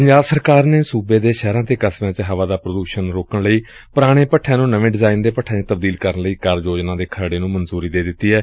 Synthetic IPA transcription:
pəɲd͡ʒaːlsəɾkaːɾneːsuːbeːd̪eːʃɛːɾãːt̪eːkəsmãːt͡ʃɦəʋaːd̪aːpɾəd̪uːʃənɾoːkəɳləiː | pʊɾaːɽ̃eːpəʈʰːɛ̃ːnũːnəʋẽːɖɪzaːɪind̪eːpəʈʰːɛ̃ːt͡ʃːt̪əb̚d̪iːlkəɾənləiːkəɾd͡ʒoːd͡ʒnãːd̪eːkʰəɽeːnũːmənzuːɾiːd̪eːd̪ɪt̪ːiːɦɛː

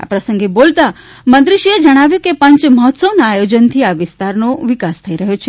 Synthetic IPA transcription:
a̰pɾəsə̃ŋɡebolt̪a | mə̃nd̪ɾiʃied͡ʒəɽ̃aʋjũkepə̃ɲt͡ʃməɦɔt̪səʋnaajod͡ʒənt̪ʰiaʋɪst̪aɾnoʋɪkast̪ʰəiɾəɦjot͡ʃʰe

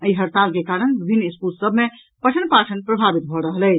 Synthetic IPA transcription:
əiɦəɾt̪alkekaɾənbibʱinːiskulsəbʱme | pəʈʰənpaʈʰənpɾəbʱabit̪̚bʱɔɾəɦəlɛt͡ʃ

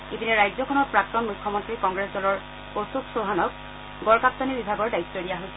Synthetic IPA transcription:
ibinɛɹajzɔkʰɔnɔt̚pɹak̚t̪ɔnmukʰːɔmɔntɹikɔŋɡɹesdɔlɔɹ | osubsoɦanɔk | ɡɔɹkap̚t̪anibibʱaɡɔɹdajt̪ːɔdijaɦojsɛ

